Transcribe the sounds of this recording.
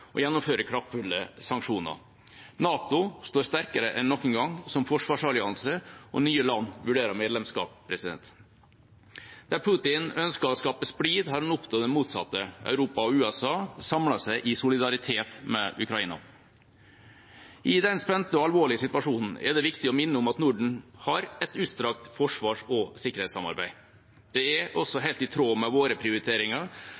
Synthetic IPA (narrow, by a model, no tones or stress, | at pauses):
ʔɔ̰jɛnːʊmføːɾəkʰɾɑft̪fʉlːəsɑŋkʂuːnə̰ | nɑːt̪ʊst̪oːɾst̪æɾkəɾəʔɛnːɔkːənɡɑŋsɔmfɔʂʋɑːʂɑɭɪɑnsəʔɔ̰nyːəlɑnːʋʉɖeːɾɑɾmeːd̪lɛmskɑ̰ːp̚pʰɾɛsɪd̪ɛ̰nt̪ | d̪̥æɾpʰʊt̪ɪnœnskəɾɔskɑːpəspɽiːd̪hɑːɾɛnʊpt̪ʰɑːd̪ɛnmuːt̪sɑ̰t̪ːəʔœ̰ʉɾuːpɑɔʉːɛsɑːsɑmlɑsæɪʔɪsʊlɪd̪ɑɾɪt̪ʰeːt̪mɛʔʉkɾɑiːnɑ̰ | ʔɪd̪ɛnspɛnt̪ːəɔɑlʋoːɭɪəsɪt̪ʉʋɑʂuːnn̩ɛ̰d̪ɛʋɪkt̪ɪɔmɪnːəʊmɑt̪nʊɖɳ̩hɑɾɛt̪ʉːt̪st̪ɾɑkt̪fɔʂʋɑːʂɔsɪkːəɾhɛɪsɑ̰mɑ̰ɾbæ̰ɪ | d̪̥ɛɛɾɔsɔɦæɪlt̪ɪt̪ʰɾoːmɛʋoːɾəpʰɾɪʊɾɪt̪ʰeːɾɪŋɑ